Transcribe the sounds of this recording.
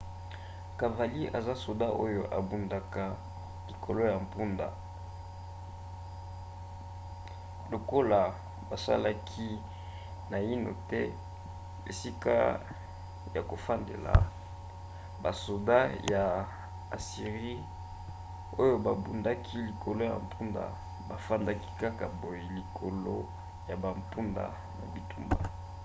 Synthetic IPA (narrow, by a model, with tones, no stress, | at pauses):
ka˨va˨li˦ʔa̰˨za˦so˨da˦ʔo˦jo˨ʔa̰˨bu˨nda˨ka˨ | li˨kʰo˨lo˦ja˨m˨pu˦nda̰˨ | lo˨ko˦la˨ | ba˨sa̰˦la˦kʰi˦ | na˨i˦no̰˨tɛ˦ | ḛ˨si˦ka̰˦ | ja˨ko˨fa˦ndḛ˨la̰˨ | ba˨so˨da˦ja˨ | a̰˨si˨ʁi˦ | o˦jo˦ba˨bu˨nda˦kʰi˦li˨kʰo˨lo˦ja̰˨mpʰu˦nda̰˨ | ba˨fa˦nda˦ki̥˦ka˦ka˨bo˨ji˨li˨kʰo˨lo˦ | ja˨ba˨mpu˦nda̰˨ | na̰˨bi˨tu˦mba̰˨